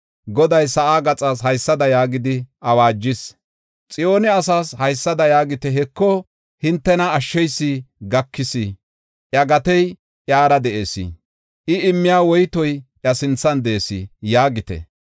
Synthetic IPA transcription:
ɡɔd̪ɐjsɐʔaːɡɐt͡sʼaːs̬ɦɐjsːɐd̪ɐjaːɡɪd̪ɪʔɐwaːd͡ʒːɪs | t͡sʼɪjoːnɪɐsaːshɐjsːɐd̪ɐjaːɡɪt̪ɛɦɛkːɔ | hɪnt̪ːɛnɐːʃːɛjsːiɡɐkːɪsi | ʔjɐɡɐt̪ɛj | ʔjaːɾɐd̪ɛʔeːsḭ | ʔɪɪmːɪjaːwɔjt̪ɔjʔjɐsɪnt͡sːɐnd̪ɛʔsḭjaːɡɪt̪ɛ̰

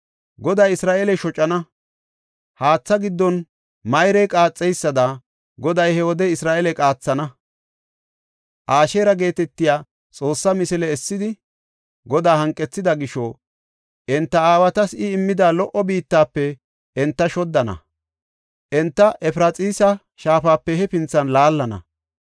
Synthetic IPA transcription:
ɡɔd̪ɐjɪsɾaːʔelɛʃɔt͡ʃʼːɐnɐ | haːt͡sːɐɡɪd̪ːɔn | mɐjɾɛjkʼaːt͡sʼːɛjsːɐd̪ɐ | ɡɔd̪ɐjhɛwɔd̪ɛɪsɾaːʔelɛkʼaːt͡sːɐnɐ | ʔaːʃeːɾɐɡe̞ːt̪ɛt̪ːɪjaː | t͡sʼo̞ːsːɐmɪsɪlɛːsːɪd̪ɪ | ɡɔd̪aːhɐŋkʼːɛt͡sːɪd̪ɐɡɪʃɔ | ʔɛnt̪ːɐaːwɐt̪ɐsɪɪmːɪd̪aːlɔʔɔbiːt̪ːaːpːɛ | ɛnt̪ːɐʃɔd̪ːɐnɐ̰ | ʔɛnt̪ːɐʔɛfɾɐt͡sʼiːsɐ | ʃaːfaːpːɛhɛpɪnt͡sːɐnlaːlːɐnɐ̰

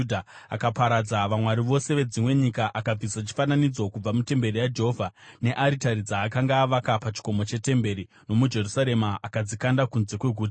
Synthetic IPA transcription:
dʱa | a̰kapaɾad͡zaʋamwaɾiʋo̞se̞ʋe̞d͡zimwe̞ɲikaʔakab͡visat͡ʃi̥fananid͡zo̞kub͡vamute̞mbe̞rijad͡ʒe̞ɦovʱane̞ʔaɾitaɾid͡zaːkaŋɡaːʋakapat͡ʃi̥ko̞mo̞t͡ʃe̞te̞mbe̞ɾi | no̞mud͡ʒe̞rusaɾe̞maakad͡zikandakunze̞kwe̞ɡʱuːta

